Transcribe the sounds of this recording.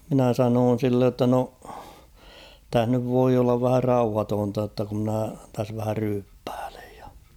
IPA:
minæ sɑnoːn̞ silːej jotːɑ no tæh nyʋ ʋoi olːɑʋ ʋæhæ rɑuhɑtoːntɑ jotːɑ ku mnæ tæs ʋæhæ ryːpːæ̥ːl̥e̥j̊ j̊ɑ̥

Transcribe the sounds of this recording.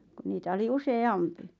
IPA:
ku niːtæ oli useɑmpi

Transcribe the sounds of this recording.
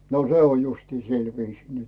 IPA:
no se on justiː sil ʋiːsiː nyt

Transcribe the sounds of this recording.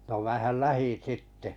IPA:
no mæˑhæl læhin̞ sitːe

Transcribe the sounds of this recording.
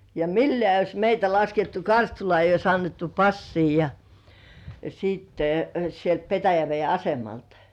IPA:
jɑ milːĕæˑ eijˑ ois meitæ lɑsketːu kɑrstulŏɑˑ eijˑ ois ɑnːetːu pɑsːiː jɑ siːtːe sielt petæjæʋei ɑsemɑltɑ̥

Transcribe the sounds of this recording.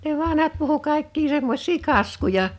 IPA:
ne ʋɑnhɑt puhu kɑˑe̝kːi semːosʲˑiː kɑskujɑ

